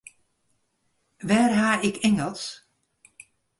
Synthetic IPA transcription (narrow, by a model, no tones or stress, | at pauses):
ʋɛːrɦaːɪkʰɪŋəlˠs